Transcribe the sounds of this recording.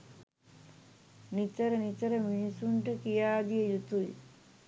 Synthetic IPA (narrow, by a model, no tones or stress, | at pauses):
nit̪əɾənit͡ʃəɾəminisuɳʈəkijaːd̪ijəjut̪uj